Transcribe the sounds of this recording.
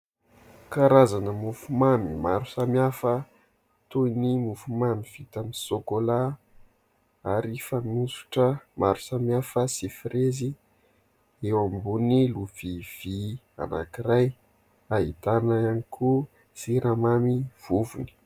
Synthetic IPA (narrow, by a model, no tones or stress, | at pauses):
kaɾazanəmufumamimaɾusamiafə | t̪unimufumamiv̥it̪amisokola | aɾifamusu̥ʈ͡ʂəmaɾu̥samiafəsifrezi | ewambuniluv̥iv̥i | a̰na̰kiɾaj | aɦit̪anaanikʰu | siɾamamiv̥uvuni̥